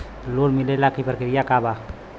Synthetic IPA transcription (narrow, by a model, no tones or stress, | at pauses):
lolmɪlelakipəɾkɪɾɪjakaːba